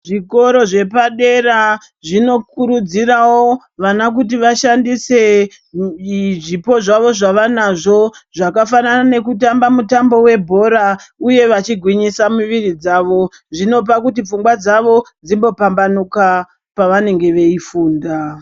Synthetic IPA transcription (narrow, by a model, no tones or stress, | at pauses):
ʐiko̞ɾo̞ʐe̞paɗe̞ra | ʐino̞kuɾud͡zirawo | ʋanak̬ut̬iʋaʃandise̞ | ʐipo̞ʐaʋo̞ʐaʋanaʐo̞ʐakafananane̞kutambamutambo̞we̞bʱo̞ɾauje̞ʋat͡ʃiɡʱwiɲisamuʋirid͡zaːʋo̞ | ʐino̞p̬akutip͡fuŋɡwad͡zaʋo̞d͡zimbo̞pambanuka | paʋane̞ŋɡe̞ʋe̞ifuːnda